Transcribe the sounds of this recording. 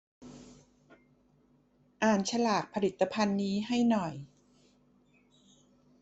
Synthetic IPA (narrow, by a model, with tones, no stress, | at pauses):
ʔaː˨˩nt͡ɕʰa˧laː˨˩k̚pʰa˧li˨˩t̪ːa˧pʰa˧nːiː˦˥ɦa˥˩jnɔ˨˩j